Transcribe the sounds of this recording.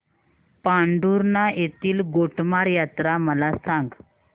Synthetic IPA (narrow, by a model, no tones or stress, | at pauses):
paɳɖuɾnajet̪iːlɡoʈmaɾjat̪ɾaməlasãŋɡ